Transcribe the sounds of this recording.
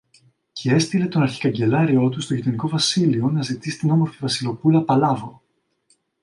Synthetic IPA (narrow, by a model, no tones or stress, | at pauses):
cee̞st̪ile̞t̪o̞nɐɾçi̥kɐɲɟe̞lɐɾio̞t̪ust̪o̞ʝit̪o̞niko̞vɐsilio̞nɐzit̪isi̥t̪ino̞mo̞ɾfivɐsilo̞pulɐpɐlɐvo